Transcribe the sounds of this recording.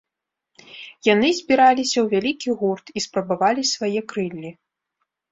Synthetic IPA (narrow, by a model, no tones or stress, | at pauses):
janɨzʲbʲiɾalʲisʲɐwvʲalʲikʲiɣurt̪ispɾɐbavalʲisvajɛkɾɨlʲːi